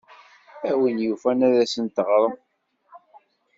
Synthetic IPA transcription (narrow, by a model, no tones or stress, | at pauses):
æwinjufænæðæsənt̪əʁɾˤəm